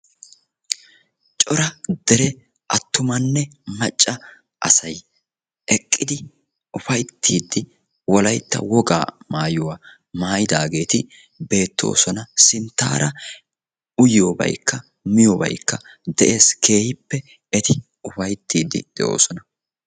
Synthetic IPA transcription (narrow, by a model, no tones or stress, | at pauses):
t͡ʃʼɔɾɐd̪̥ɛɾɛ | ʔɐt̪ːʊmɐnːɛmɐt͡ʃʼːɐ | ʔɐsɐj | ʔɛkʼːɪd̪ɪ | ʊfɐjt̪ʰːiːd̪ːɪ | wɔlɐjt̪ːɐ̰wɔɡa̰ːmaːjʊwa | maːjɪd̪aːɡe̞ːt̪ɪ | be̞ːt̪ːo̞̰ːsɔnɐsɪnt̪ːa̰ːɾɐ | ʊjoːbɐ̰jkːɐ | mɪjoːbɐ̰jkːɐ | d̪ɛʔe̞ːskʰe̞ːhɪpːɛ | ɛt̪ɪ | ʊfɐjt̪ːiːd̪ːɪ̰d̪̥ɛʔo̞̰ːsɔnɐ